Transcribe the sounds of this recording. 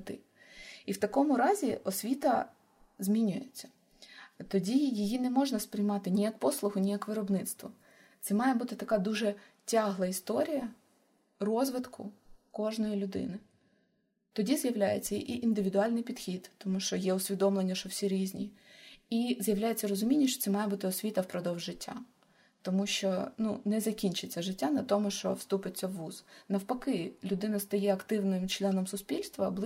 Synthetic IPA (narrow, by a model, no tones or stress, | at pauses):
t̪ɪ̰ | iwt̪ɐkɔmʊɾɑzʲiʔɔsʲʋʲit̪ɐ | zmʲinʲʊjḛt͡sʲːɐ̥ | t̪ɔdʲijɪjinɛmɔʒnɐspɾɪjmɑt̪ɪnʲijɐkpɔslˠʊɦʊnʲijɐkʋɪɾɔbnɪt̪st̪ʋɔ | t̪sɛmɑjɛbut̪ɪt̪ɐkɑd̪uʒɛ | tʲɑɦlˠɐist̪ɔɾʲijɐ | rɔzʋɪt̪kʰʊkɔʒnɔjilʲʊd̪ɪ̰nɪ | t̪ɔdʲizjɐwlʲajet͡sʲːɐiʔiʔind̪ɪʋʲid̪ʊɑlʲnɪjpʲid̪xʲid̪̥t̪ɔmuʃt͡ʃɔjɛʊsʲʋʲid̪ɔmlˠenʲːɐʃt͡ʃɔwsʲiɾʲizʲnʲḭizjɐwlʲajet͡sʲːɐrɔzʊmʲinʲːɐʃt͡ʃɔ̥t̪sɛmɑjɛbut̪ɪɔsʲʋʲit̪ɐfpɾɔd̪ɔwʒːɪtʲʰːa̰ | t̪ɔmuʃt͡ʃɔnunɛzɐkʲinʲt͡ʃɪt͡sʲːɐʒɪtʲːanɐt̪ɔmʊʃt͡ʃɔ̰fst̪upɪt͡sʲːɐʋːuznɐwpɐkɪlʲʊd̪ɪnɐst̪ɐjɛɐkt̪ɪwnɪmt͡ʃlʲˠɛnɔmsʊspʲilʲst̪ʋɐblˠ